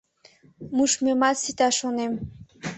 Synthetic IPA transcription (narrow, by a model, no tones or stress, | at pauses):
muʃmemɑsit̪ɑʃonem